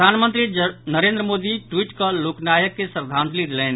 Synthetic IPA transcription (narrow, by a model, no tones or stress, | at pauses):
anmənt̪ɾinəɾend̪ɾəmod̪iʈwiʈkəloknajəkːesəɾd̪ʱãnt̪lid̪elɛn